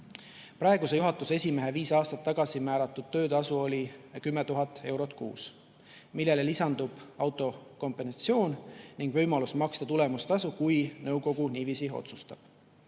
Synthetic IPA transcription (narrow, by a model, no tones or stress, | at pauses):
pɾɑe̞ɡuse̞juɦɑt̪ːˑusesʲime̞ɦe̞viːsɑːst̪ɑt̪ːɑɡ̥ɑsimæːɾɑt̪ːˑud̪̥̚t̪ø̞ːt̪ɑsuo̞lʲikymːe̞t̪uɦɑt̪ːˑe̞wɾo̞t̪ˑkṵːs | milːe̞le̞lisɑnd̪ub̥ɑwt̪ːˑo̞ko̞mpˑe̞nsɑt̪sio̞ːnniŋɡ̥vɤ̞jmɑlusmɑkst̪ɑt̪ule̞must̪ɑsukujnɤwko̞ɡ̥uniːviːsio̞̰t̪su̥st̪ɑ̰b̥